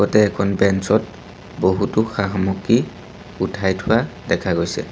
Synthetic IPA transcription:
ɡɔtɛːkʰɔnbɛnsɔt̚ | boɦutʊxaɦmuki | utʰajtʰʊwadɛkʰaɡojsɛ̰

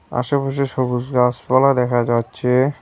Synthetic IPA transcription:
a̰ʃapaʃ̬eʃoɡusɡaspɔlad̪ɛkʰad͡ʑatːɕʰe

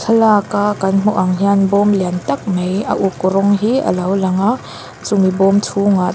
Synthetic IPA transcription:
kʰɐlakakɐnm̥ɔʔɐŋɦianbɔmliant̪ɐk̚mejə̰ʔukːuɾɔŋɦiə̰lɐwlɐŋa | t͡sumibɔmtʰuŋa

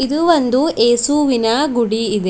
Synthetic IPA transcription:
id̪uʋond̪uʔeːsuʋinɐɡuɽiːd̪e

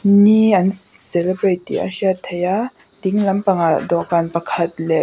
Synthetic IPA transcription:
niɐnsɛlɛbɹetḭa̰siat̪ʰeja | tiŋlɐmpɐŋadɔʔkanpɐkʰɐt̚lɛʔ

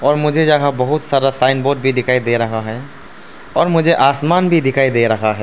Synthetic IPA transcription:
ɔːɾmʊd͡ʒʱed͡ʒaɦabɐɦʊt̪saːɾasaːɪnboːɖ̚bʱid̪ɪkʰaːid̪eːɾɐɦaɦɛ | ɔːɾmʊd͡ʒʱeʔaːsmaːnbʱid̪ɪkʰaːid̪eːɾɐɦaɦɛ

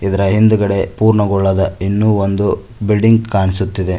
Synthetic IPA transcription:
id̪ɐɾɐɦind̪uɡɐɽe̞puːɾɳɐɡɔɭːɐd̪ɐinːuːond̪u | bilɖiŋɡkaːɳisut̪ːid̪e̞

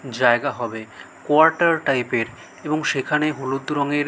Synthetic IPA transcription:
d͡ʑaeɡaɦɔbe | koaɾʈaɾʈajpeɾ | eboŋʃekʰaneɦulud̪ɾɔŋeɾ

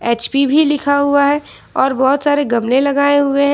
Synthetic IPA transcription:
eːt͡ʃpibʱilɪkʰaɦuaɦɛː | ɔːɾbɔːɦʊt̪saːɾeɡɐmlẽlɐɡaːeɦʊeɦɛ̃

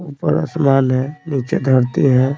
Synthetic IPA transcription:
uːpə̰ɾə̰smaːnɦɛniːt͡ʃed̪ʱəɾt̪iɦɛ̃ː

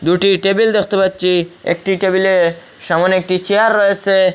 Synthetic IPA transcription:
d̪uʈiʈebild̪ekʰt̪obɐt̪̚ːt͡ʃiḛkʈiʈebile | ʃɐmonek̚ʈit͡ʃiaɾːɔɦese

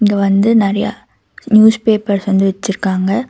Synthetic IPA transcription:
ŋɡɐʋɐnd̪ɯnɛɾɐja̰ | njuːspeːpɐɾsʋɐnd̪ɯʋɛt͡ʃːɪɾɯkːaːŋɡɐ

